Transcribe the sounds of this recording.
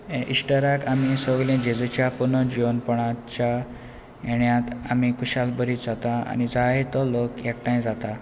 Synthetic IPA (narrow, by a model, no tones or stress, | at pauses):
ẽʔiʂʈəɾakamisɔɡlẽd͡ʑed͡zət͡ɕjapunəd͡ʑiʋənpɔɽ̃at͡ɕa | eɳjãt̪amikuɕalbəɾiːt̪d͡zat̪aa̰nid͡zaet̪ɔlokekʈãjd͡zat̪a